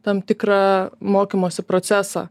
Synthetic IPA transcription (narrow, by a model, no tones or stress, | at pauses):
t̪ɐmt̪ʲɪkɾɑːmoːkʲɪmoːsʲɪpɾot̪sʲæːsɑ̰ː